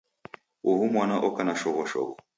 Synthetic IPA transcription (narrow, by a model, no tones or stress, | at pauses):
uɦumwanaʔɔkanaʃɔɣɔʃɔ̰ɣɔ